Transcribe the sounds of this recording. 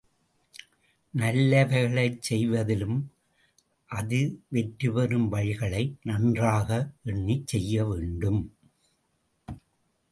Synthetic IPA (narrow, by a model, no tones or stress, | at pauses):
nɐlːɐʋɐɪɣɐɭɐɪt͡ʃsɛjʋɐðɪlɯm | ʔɐðɯʋɛʈɾɯʋɐɾɯmʋɐɻɪɣɐɭɐɪnɐndraːɣɐʔɛɳːit͡ʃsɛjːɐʋeːɳɖɯm